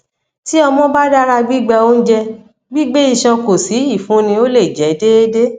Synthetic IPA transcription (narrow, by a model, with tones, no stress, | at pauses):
ti˦ɔ˧mɔ̃˦ba˦da˦ɾa˧ɡ͡bi˦ɡ͡bɛ˧o˦n̩˦d͡ʒɛ˧ | ɡ͡bi˦ɡ͡be˦ĩ˦˧ʃã˧ko˨si˨˦i˦˨fũ˨˦nĩ˧o˦le˦˨d͡ʒɛ˨˦de˦e˦de˦